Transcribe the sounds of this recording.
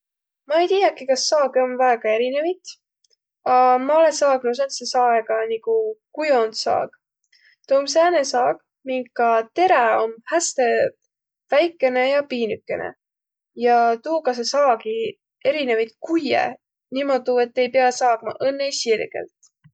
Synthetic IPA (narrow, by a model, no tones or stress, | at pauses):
mɑe̞jt̪iːjɑkikɑsːɑːɡio̞nvæeɡ̥ɑe̞ɾine̞vit̪ | ɑmɑo̞le̞sɑːɡ̥nus̬ensesɑːeɡ̥ɑnikukujo̞nsɑ̰ːɡ̥ | t̪oːms̬æːnesɑːɡ̥̚ | niŋɡkɑt̪e̞ɾeo̞nhæst̪e | væjkːˑe̞ne̞jɑpiːnykːe̞̰nḛ | jɑt̪uːkɑs̬esɑːɡi | e̞ɾinevit̪kujḛ | nimod̪ue̞t̪ːe̞jpeɑsɑːɡ̥mɑ̰ʔɤnːesirɡ̥ḛlt̪